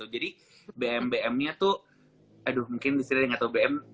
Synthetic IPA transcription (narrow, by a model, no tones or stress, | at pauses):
t̪ʊd͡ʒadi | beɛmbeɛmɲat̪ʊ | adʊhmuŋkɪndist̪iɾadɪŋat̪awbeɛm